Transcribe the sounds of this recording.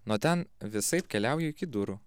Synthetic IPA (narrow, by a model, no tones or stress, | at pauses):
noːt̪ʲɛnʋʲɪsɐɪpkʲɛlʲæˑʊjuɪkʲɪd̪ʊɾu